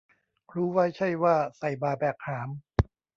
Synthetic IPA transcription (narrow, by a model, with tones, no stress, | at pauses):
ɾuː˦˥wa˦˥jt͡ɕʰa˥˩jwaː˥˩sa˨˩jbaː˧˩bɛː˨˩k̚haː˩˦m